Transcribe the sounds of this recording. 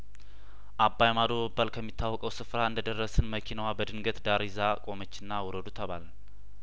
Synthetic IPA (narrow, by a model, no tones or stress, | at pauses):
ʔabːajmad̪oəbːalkʰəmːit̪ʰːawːɔkʼəwsɨfɾaɨnd̪əd̪ərːəsɨnməkʰinəwabəd̪ɨŋɡət̪ʼd̪aɾizakʼo̞mət͡ʃːɪnːawɔɾəd̪ut̪ʰəβal